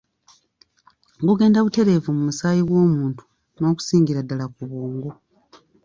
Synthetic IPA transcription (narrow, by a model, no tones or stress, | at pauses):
ɡuɡe̞ːndaβute̞ɾe̞ːvumumusaːjiɡwo̞ːmuːntu̥ | no̞ːku̥siːŋɡiɾadːalakuβoːŋɡo